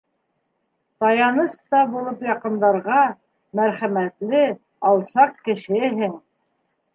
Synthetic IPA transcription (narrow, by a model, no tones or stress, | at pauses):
t̪ɑjɑnɤst̪ɑbulˠɤpjɑqɤ̆nd̪ɑɾʁɑ | mæɾχæmæt̪lɘ | ɑlˠsɑq̚kɘ̆ʃɘɦɘŋ